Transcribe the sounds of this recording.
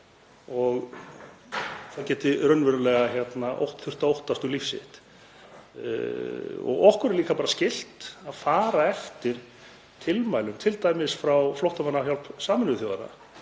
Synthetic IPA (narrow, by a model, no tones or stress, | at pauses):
ɔɣ | θaðcɛːt̪ɪɾœnvɛɾʏlɛɣaçjɛt̪naʔo̰wht̪θʏ̥r̥t̪aowht̪ast̪ʏlifsɪ̰ht̪ | ɔ̰ɣɔhkʏɾɛɾliːkapaːɾascɪl̥t̪aðfaːɾaɛft̪ɪɾ̥ | t̪ʰɪlmaːjlʏmt̪ʰɪlt̪aːjmɪsfɾawflowht̪amanːaçjawlpsaːmɪnʏθjɔɣðaɾa̰